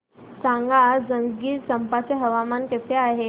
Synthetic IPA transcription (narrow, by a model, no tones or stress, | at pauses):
sãŋɡʱad͡zəŋɡɡiːsəmpat͡seɦəʋamanket̪eaɦe